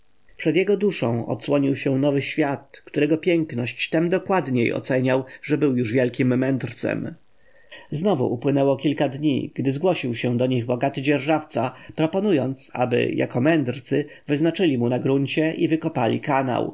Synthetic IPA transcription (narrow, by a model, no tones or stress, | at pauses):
pʂɛd̪jɛɡɔd̪uʂɔ̰̃w̃ɔ̰t̪swɔɲiwɕɛ̃nɔvɘɕfʲjat̪kt̪uɾɛɡɔpʲjɛŋknɔɕt͡ɕt̪ɛmd̪ɔkwad̪ɲejɔ̰t̪sɛɲawʐɛbɘwjuʐvʲjɛlkʲimːɛnd̪ɾt̪sɛ̰m | znɔvṵʔupwɘnɛwɔkʲilkad̪ɲḭɡ̥d̪ɘzɡwɔɕiwɕɛ̃d̪ɔɲiɣbɔɡat̪ɘd͡ʑɛɾʐaft̪sapɾɔpɔnujɔnt̪sa̰bɘ̰ja̰kɔmɛnd̪ɾt̪sɘ | vɘznat͡ʂɘlʲimunaɡɾuɲt͡ɕɛʔivɘkɔpalʲḭkana̰w